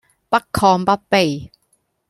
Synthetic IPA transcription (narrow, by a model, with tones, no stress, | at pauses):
pɐ˥kkʰːɔː˧ŋpɐ˥t̚pe˨˧j